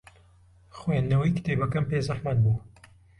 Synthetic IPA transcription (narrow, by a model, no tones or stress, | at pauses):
xwenːɐwɐjkɨ̥t̪ejbɐkɐmpeːzaħmaːnbuː